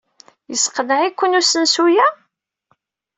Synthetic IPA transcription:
jəsqəðʕikʷːənusənsujæ

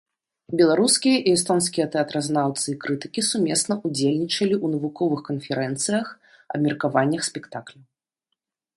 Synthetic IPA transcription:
bʲɛlˠaɾuskʲijɐʔiɛst̪ɔns̬kʲijɐt̪ɛat̪ɾɐznawt̪sɨikɾɨt̪ɨ̥kʲisumʲesnɐʔud͡zʲelʲnʲit͡ʂɐlʲiʔunɐvukɔvɨxkɐnfʲɛɾɛnt̪sɨjɐx | ɐ̰bmʲɛrkavanʲːɐxsʲpʲɛkt̪aklʲu

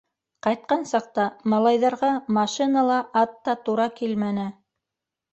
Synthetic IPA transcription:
qɑjt̪̚qɑnsɑq̚t̪ɑmɑlˠɑjðɑɾʁɑmɑʃinɑlˠɑʔɑt̪ːɑt̪uɾɑkilmænɘ

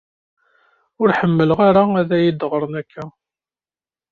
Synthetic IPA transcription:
ʊɾħəmːəlʁaɾaæðæjid̪əʁəɾˤnækʰːæ

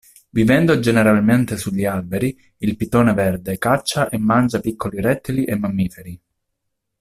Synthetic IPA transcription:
vivɛnd̪od͡ʒeneɾalment̪esuʎːialbeɾi | ilpit̪oːnevɛrd̪ekat͡ʃːaʔemːand͡ʒapikːoliɾɛt̪ːeliʔemːamːiːfeɾi

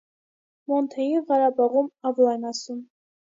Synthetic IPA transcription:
mont̪ʰajiʁɑɾabaʁumavlˠanasum

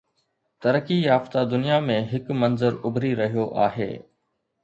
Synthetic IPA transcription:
t̪ɐɾəkijaːft̪ad̪ʊnijamẽɦɪkmɐnzəɾʊbʱɾiɾɐɦijoʔaːɦḛː

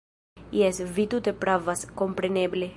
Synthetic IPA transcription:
iɛsvit̪ut̪epɾavaskompɾeneble

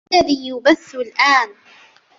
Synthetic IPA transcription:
aðiːjʊbaθːʊlʔaːn

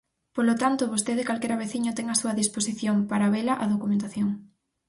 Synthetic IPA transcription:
polot̪ant̪oβost̪eðɪkalkɛɾaβeθiɲʊt̪ɛŋasuɐðisposiθjompaɾaβelaʔaðokumẽnt̪aθjoŋ

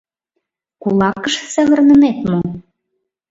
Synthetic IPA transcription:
kulˠɑkə̆ʃsæβə̆rnə̆net̪mo

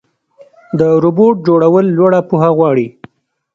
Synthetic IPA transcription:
d̪əɾuboʈ̚d͡ʒoɽawəlːwaɽapuɦaɣwɑɽi

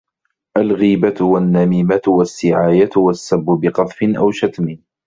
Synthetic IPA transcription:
ʔalɣiːbat̪wanːamiːmat̪wasːɪʕaːjat̪wasːabːʊbɪqɑt̪ˤfɪnʔawʃat̪mɪ

